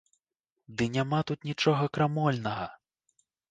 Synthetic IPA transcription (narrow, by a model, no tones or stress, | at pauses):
d̪ɨnʲamat̪ut̪nʲit͡ʂɔɣɐkɾamɔlʲnɐɣɐ